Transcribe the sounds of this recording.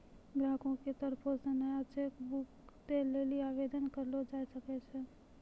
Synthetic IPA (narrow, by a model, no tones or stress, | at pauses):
ɡɾãːkõket̪əɾposənaat͡ʃʰekbuk | t̪eleːliaːʋed̪ənkəɾlod͡ʒaːsəkɛt͡ʃʰɛ